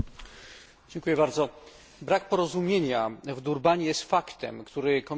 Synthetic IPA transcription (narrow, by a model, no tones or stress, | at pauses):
d͡ʑɛŋkujɛbaɾd̪zɔ | bɾak̚pɔɾɔzumʲjeɲavd̪uɾbaɲijɛst̪fakt̪ɛ̰mkt̪uɾɘkɔm